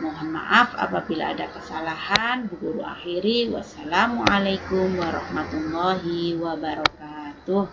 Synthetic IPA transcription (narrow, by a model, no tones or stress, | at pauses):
moɦanma̰ʔafa̰pabila̰ːdakəsalahanbəɡuɾṵa̰xiɾiwa̰salamuʔalajkʊmwaɾɑ̰hmat̪ulːɔɦiwabaɾɔkat̪ʊh